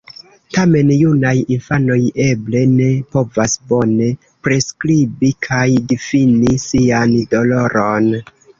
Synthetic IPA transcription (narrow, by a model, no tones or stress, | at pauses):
tame̞njunajinfano̞je̞ble̞ne̞po̞vasbo̞ne̞ | pɾe̞skɾibikʰajdifinisiando̞lo̞ɾo̞n